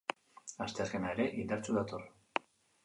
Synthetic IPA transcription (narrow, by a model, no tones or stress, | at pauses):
ast̪e̞aske̞naeɾe̞ʔind̪aɾt͡suðat̪o̞r